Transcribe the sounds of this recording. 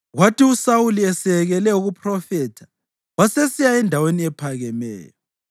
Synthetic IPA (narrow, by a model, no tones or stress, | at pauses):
ɣwatiusawuliɛsɛɣɛlɛuɣupʰʼrɔfɛtʰḁ | wasesijaɛndʱaweniɛpʰaɣɛmɛ̰ːjɔ